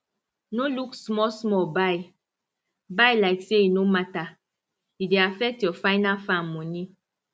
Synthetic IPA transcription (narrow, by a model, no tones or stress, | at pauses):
noluksmɔsmɔbaj | bajlaɪkseinomata | ideafɛk̚tjɔfaɪnalfãmmoni